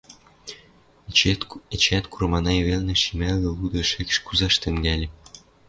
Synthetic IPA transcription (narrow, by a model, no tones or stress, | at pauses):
et͡ɕæt̪kuɾɤ̆mɑnɑjeβelnĕʃimælɡ̪ɘ̆lud̪ɤ̆ʃɘ̆kʃkuzɑʃt̪ɘ̆ŋɡælʲĕ